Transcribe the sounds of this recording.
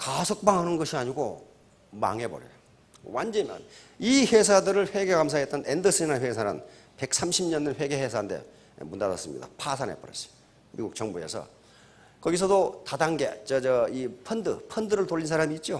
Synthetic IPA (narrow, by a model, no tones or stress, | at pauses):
kasʰok̚p͈aŋɦanɯnɡʌɕʰiaɲiɡo̰ | ma̰ŋɦe̞bʌɾjʌ̰ɾo | wand͡ʑʌmjʌ̰nihe̞s̬ʰadɯɾɯɭɸwe̞ɡe̞ɡamsʰaet͈̚ʌnendɯsʰɯinanɸwesʰanɯ̰n | pe̞k̚s͈ʰamɕʰimɲʌnːɯnɸwe̞ɡeɦesʰande̞̰ | mundadʌ̰s͈ɯmɲḭda̰pʰasʰanḛp͈ʌɾḛsi̥ | miɡuk̚t͡ɕʌŋbue̞̰sʰʌ̰ | kʌɡis̬ʰʌdotadaŋɡe̞̰t͡ɕʌd͡ʑʌipʰʌndɯpʰʌndɯɾɯɭtoʎːins̬ʰaɾamiːt̚t͡ɕ͈o